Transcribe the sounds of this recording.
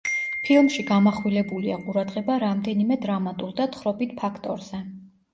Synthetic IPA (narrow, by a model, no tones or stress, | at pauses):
pʰilˠmʃiɡamaχwilɛbuliaqʼuɾad̪ʁɛbaɾamd̪ɛnimɛd̪ɾamat̪ʼuɾd̪at̪χɾɔbit̪̚ʰpʰakʰt̪ʼɔɾz̥ɛ